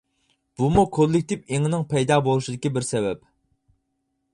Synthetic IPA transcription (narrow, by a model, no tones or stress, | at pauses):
b̥umukʰolˠːɪk̚ʲt̪ɪpeŋɪnɪŋpʰɛjd̪ɑːbolˠuʃid̪ɪkʲibɪɾsɛvɛp̚